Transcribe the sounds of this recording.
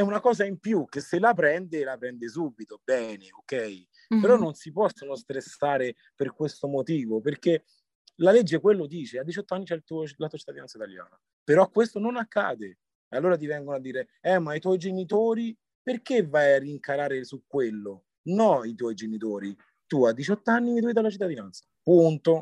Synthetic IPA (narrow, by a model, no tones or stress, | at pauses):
ɛunakɔːzaimpjukeselapɾɛnd̪elapɾɛnd̪es̬ubːit̪obɛːneokɛj | peɾɔnːonsipɔsːonost̪ɾesːaːɾe | perkwest̪omot̪iːvoperke | laled͡ʒːekwelːod̪iːt͡ʃead̪ːit͡ʃɔt̪ːoanːit͡ʃɛlt̪ulatuoat͡ʃe̥t̪ːad̪iɛnsait̪alja̰ːna | peɾɔkːwest̪ononakːa̰ːd̪e | alːoːɾat̪̬ivɛŋɡonoad̪ːiːɾe | ɛmːait̪wɔjd͡ʒenit̪oːɾi | perkevːajarːiŋkaɾaːɾesukːwelːo | nɔit̪wɔjd͡ʒenit̪oːɾi | t̪uad̪ːit͡ʃɔt̪ːanːit̪ujid̪alat͡ʃit̪ːad̪inant̪sḁpunt̪o